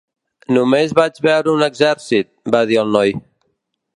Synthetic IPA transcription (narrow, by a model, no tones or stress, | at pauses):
numezβad͡ʒβɛwɾunɛɡzɛɾsit̪̚baðialˠnɔj